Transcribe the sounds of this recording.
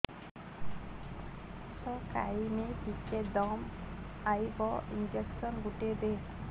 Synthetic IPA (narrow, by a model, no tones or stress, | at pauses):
sɔka̰jmepiked̪ɔm | ajbɔind͡ʒeksɔnɡuʈebe